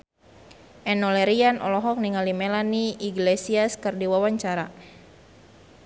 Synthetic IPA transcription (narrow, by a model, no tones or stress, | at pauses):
ʔɛnɔlɛɾianɔ̰lɔɦɔk̚niŋalimɛlaniʔiɡlesiaskərdiwawaɲt͡ʃaɾa